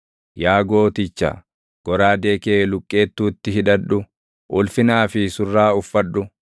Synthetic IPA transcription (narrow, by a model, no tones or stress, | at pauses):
jaːɡo̞ːt̪ɪt͡ʃːa̰ | ɡ̥ɔɾaːd̪e̞ːkeːlʊkʼːeːt̪ːuːt̪ːɪɦɪᶑɐᶑʊ | ʔʊlfɪnaːfɪsʊrːaːʊfːɐᶑʊ